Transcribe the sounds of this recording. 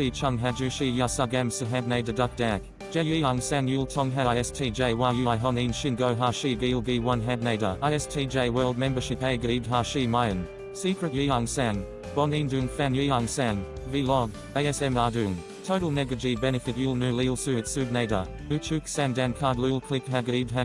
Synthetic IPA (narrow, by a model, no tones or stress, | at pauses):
fit͡ʃʰʌ̃ŋɦæd͡ʒʉʃijasʌɡæ̃msəɦæd̚neɪdədʌk̚d̥æk | d̥ʒ̥ɛjiaŋsæ̃njulˠtʰɔ̃ŋɦæɪɛstʰid͡ʒeɪwajʉɪɦɔnĩnʃɪ̃nɡoʊɦaʃibilˠbiwʌ̃nɦæd̚neɪɾə̰aɪɛstʰid͡ʒeɪwɜ˞lˠd̚mɛ̃mbə˞ʃɪpeɪɡidɦaʃimaɪə̃n | siˑkɹɨt̚jiaŋsæ̃n | b̥ɔnĩndʉnfænjiaŋsæ̃nvilɔɡ | eɪɛsɛ̃mɑdʉn | tʰoʊɾəl̩ˠnɛɡəd͡ʒibɛnɨfɨt̚julˠnʉlilˠsʉɨtsʉd̚neɪɾə̰ | ʉt͡ʃʰʉksæ̃ndæ̃nkʰɑɹdlulˠkʰl̥ɪkɦæɡədɦæ